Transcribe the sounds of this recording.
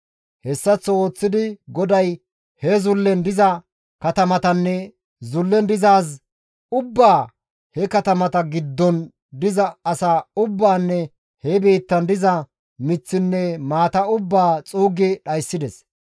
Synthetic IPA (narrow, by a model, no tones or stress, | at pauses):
hɛsːɐt͡sːɔoːt͡sːɪd̪ɪɡɔd̪ɐj | hɛzʊlːɛnd̪ɪzɐ | kɐt̪ɐmɐt̪ɐnːɛ | zʊlːɛnd̪ɪzaːs̬ | ʊbːaː | hɛkɐt̪ɐmɐt̪ɐɡɪd̪ːɔn | d̪ɪzɐɐsaːʊbːaːnːɛ | hɛbe̞ːt̪ːɐnd̪ɪzɐ | mɪt͡sːɪnːɛmaːt̪ɐʊbːaːt͡sʼuːɡɛɗɐjsːɪd̪ɛs